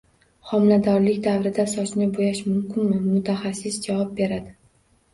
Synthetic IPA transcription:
χɒmlad̪ɒɾlɪkʲd̪avɾɪd̪asɒt͡ʃnɪbojaʃmʊmkʲɪnmɪmʊt̪ʰaχasːɪsd͡ʒavɒp̚be̞ɾad̪ɪ

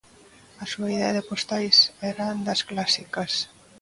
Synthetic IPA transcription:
ɐsuɐiðeɐðepost̪ajsɛɾand̪ɐsklasikɐs

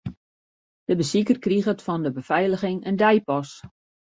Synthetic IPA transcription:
d̥əbəsikərkriɣətfɔndəbəfɛjləɣɪŋəndɛjpɔs

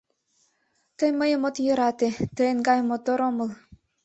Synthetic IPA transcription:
t̪ɤjməjəmot̪jɤɾɑt̪et̪ə̆enɡɑjmot̪oɾomɤ̆lˠ

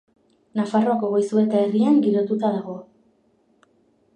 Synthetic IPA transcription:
nafaroako̞ɣojsue̞t̪aeriaŋɡiɾo̞t̪ut̪aðaɣo̞

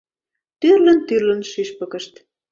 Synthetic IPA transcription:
t̪yrlə̆nt̪yrlə̆nʃiʃpə̆kə̆ʃt̪

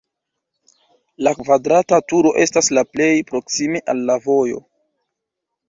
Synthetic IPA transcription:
lakvadɾatatuɾo̞ʔe̞staslaple̞jpɾo̞ksime̞ʔalːavo̞jo̞̰

